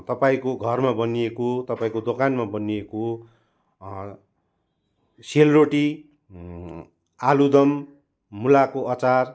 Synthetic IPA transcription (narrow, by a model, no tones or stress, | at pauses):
t̪ʌpaĩkoɡʱʌrmabʌniekot̪ʌpaĩkod̪okanmabʌnieko | selroʈi | alud̪ʌmː | ulakoʔʌt͡sar